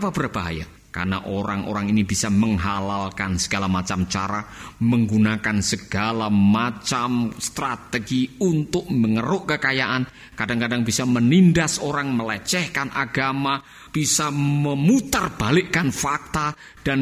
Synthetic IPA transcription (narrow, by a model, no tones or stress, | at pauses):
apabərb̥aɦa̰ja̰ | ka̰rnaʔoɾaŋʔo̰ɾaŋinibisaməŋɦalalkansə̥ɡ̥alamat͡ʃamt͡ʃaɾaməŋɡunakansəɡ̥alamat͡ʃamst̪ɾat̪əɡiunt̪ʊk̚məŋəɾʊʔkəkajaʔan | kadaŋkadaŋbisamənindasoɾaŋməlɛt͡ʃɛhkanʔaɡama | b̥isaməmut̪arb̥alɪʔkanfak̚t̪a | d̥an